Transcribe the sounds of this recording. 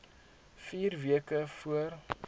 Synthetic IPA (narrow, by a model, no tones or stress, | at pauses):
fiːrviəkəfuər